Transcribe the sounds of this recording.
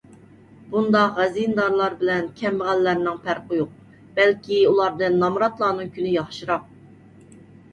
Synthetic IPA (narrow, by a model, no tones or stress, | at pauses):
bund̪ɑqʁɛzijnɨd̪ɑɾlˠɑɾbɪlɛnkʲʰɛmːəʁænlæɾnɪŋpʰæɾqəjoq̚ | b̥ɛlkʲiulˠɑɾd̪ɨnːɑmɾɑt̪lˠɑːnɨŋkʲʰynɪjɑχʃɨɾɑq̚